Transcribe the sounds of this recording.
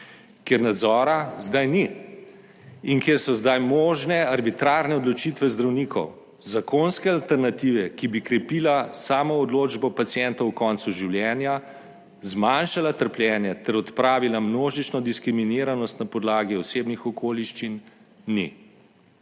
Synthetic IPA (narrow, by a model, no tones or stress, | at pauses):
kjeɾnad̪zɔːɾazd̪ajni | iŋkeɾsɔzd̪ajmoːʒnɛaɾbit̪ɾaːɾnɛɔd̪lɔt͡ʃiːt̪ʋɛzd̪ɾawniːkʰɔw | zakoːnskɛalt̪ɛɾnat̪iʋɛkibikɾɛpiːlasaːmɔːd̪loːd͡ʒbɔpat̪siɛnt̪ɔwkɔːnt̪suʒiwljɛːnja | zmanʃalat̪əɾplʲjɛːnjɛt̪ɛɾɔt̪pɾaːʋilamnoːʒit͡ʃnɔd̪iskɾimineːɾanɔst̪napɔd̪laːɡiɔseːbnixɔkʰoːliʃt͡ʃinnḭ